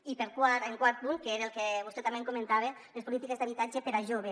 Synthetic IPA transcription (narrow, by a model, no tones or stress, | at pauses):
ipeɾkwaɾeŋkwaɾt̪̚puŋkeeɾelkeβoset̪ameŋkomẽnt̪aβ̞e | lespolit̪ikezd̪aβit̪ad͡ʒepeɾaʒoβe